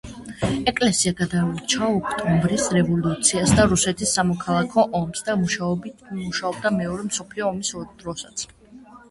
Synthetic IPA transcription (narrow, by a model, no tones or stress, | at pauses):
ɛkʼlɛsiaɡad̪aut͡ʃʰaɔkʰt̪ʼumbɾisɾɛvɔlut̪sʰiasd̪aɾusɛt̪ʰisːamɔkʰalˠakʰɔʔɔmsd̪amuʃabmuʃaɔbd̪amɛɔɾɛmsɔpʰliɔːmisɔd̪̥ɾɔsat̪sʰ